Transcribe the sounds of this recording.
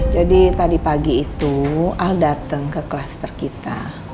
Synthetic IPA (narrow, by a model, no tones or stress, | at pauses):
d͡ʒadit̪adipaɡiːt̪ualdat̪əŋkəklast̪ərkit̪a